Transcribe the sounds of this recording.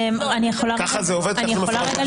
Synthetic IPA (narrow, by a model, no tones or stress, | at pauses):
manijeχolakaχazeoved̪̚anijemolaʁeɡal